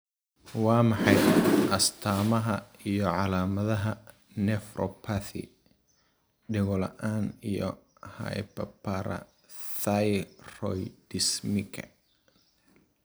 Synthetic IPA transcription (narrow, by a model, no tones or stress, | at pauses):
wɑːmɑħɑjʔɐst̪ʰaːmɐɦɐijɔʕɑlaːmɐðɐɦɐ | nɛfrʔɔpʰaθɪ̰ | ɖɪɣɔlɐ̰ʔaːnijɔ̰ | hɐ̰jpɐpʰaɾɐ̰ | θajrɔjd̪̥ɪsmɪkʰɐ